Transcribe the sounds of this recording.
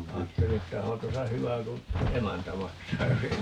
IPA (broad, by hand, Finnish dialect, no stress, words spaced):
ɑːtːeli etːæ ohɑn̞ tosɑ hyʋæ ku emæntæ mɑksɑː jos ei